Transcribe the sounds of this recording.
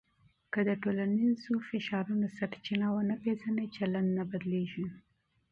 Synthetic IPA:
kəd̪əʈolanizofɪʃɑɾunosaɽt͡ʃinawənapezanat͡ʃaland̪nabad̪leʒi

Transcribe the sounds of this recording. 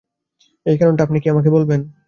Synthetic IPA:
ejkɛɾonʈaapnikiamak̬ebolben

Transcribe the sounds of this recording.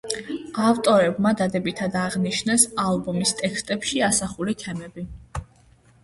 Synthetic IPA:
aft̪ʼɔɾɛbmad̪ad̪ɛbit̪ʰad̪aʁniʃnɛsalˠbɔmist̪ʼɛkʰst̪ʼɛpʃiasaχulit̪ʰɛmɛbi

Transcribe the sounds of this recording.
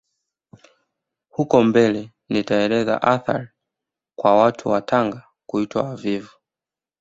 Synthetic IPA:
hukɔmbɛlɛ | nitaɛlɛza̰ʔaθa̰ɾi | kwawatʰuwataŋɡa | kuitwa̰wavivu

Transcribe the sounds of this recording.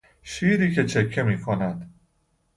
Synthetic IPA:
ʃiːɾiːcʰe̞t͡ʃʰe̞kʰːemiːkʰonæd̪̥

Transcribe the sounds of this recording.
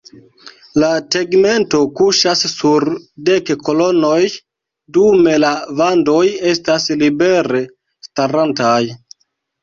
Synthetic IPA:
late̞ɡme̞nto̞kuʃasːuɾde̞kko̞lo̞noj | dume̞lavando̞je̞staslibe̞ɾe̞ | staɾantaj

